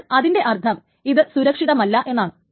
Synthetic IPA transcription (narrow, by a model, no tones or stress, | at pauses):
ɐðinde̞ʔɐrt̪ʰɐm | iðɨsuɾɐkʂiðɐmɐlːɐʔe̞nːaːɳɨ